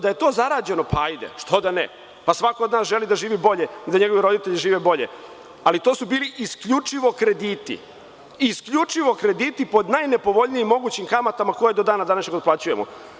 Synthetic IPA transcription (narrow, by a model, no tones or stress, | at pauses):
d̪ajet̪o̞ːzaɾaːd͡ʑe̞no̞paajd̪ḛʂt̪ʰo̞d̪anḛ | pasʋako̞od̪naːsʒe̞lid̪aʒiːʋibo̞ʎeid̪aɲeɡoʋiɾo̞d̪it̪e̞ʎiʒiːʋebo̞ʎḛ | alit̪o̞ːsubiːliʔiskʎut͡ʂiʋo̞kɾe̞d̪it̪ḭ | iskʎut͡ʂiʋo̞kɾe̞d̪it̪ipo̞d̪najne̞po̞ʋo̞ʎnijimːo̞ɡuːt͡ɕimkamat̪amako̞jd̪od̪aːnad̪anaʃɲeɡot̪̚plˠaːt͡ɕujemo̰